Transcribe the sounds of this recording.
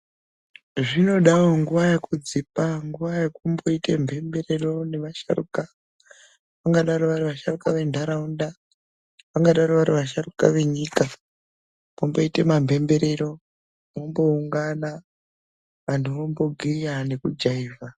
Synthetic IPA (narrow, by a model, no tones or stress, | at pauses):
ʐino̞ɗaoŋɡuʋajakud͡zipaŋɡuʋajakumbo̞ite̞mbʱe̞mbe̞re̞ro̞ne̞ʋaʃa̰rṵka | ʋaŋɡaɗaɾoʋariʋaʃarukaʋe̞ndʱaɾaunda | ʋaŋɡaɗaɾoʋaɾiʋaʃ̬aruka̰ʋe̞ɲiːka | pombo̞ite̞mambʱe̞mbe̞ɾe̞ɾo̞ | mombo̞uŋɡana | ʋantʰuʋombo̞ɡʱijane̞kud͡ʒaiːva